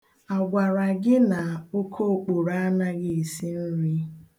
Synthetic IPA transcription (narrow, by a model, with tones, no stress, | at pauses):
a˨ɡʷa˨ɾa˨ɡɪ˦na˨o˦kʰo˦˨k͡po˨ɾa˦a˦na˦ɡɪ˦e˨si˦n̩˦ɾi˦